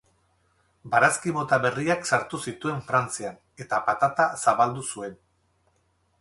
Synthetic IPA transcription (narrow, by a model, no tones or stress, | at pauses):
baɾaskimo̞t̪aβe̞riaksaɾt̪usit̪ue̞ɱfɾant͡sian | e̞t̪apat̪at̪asaβald̪usue̞n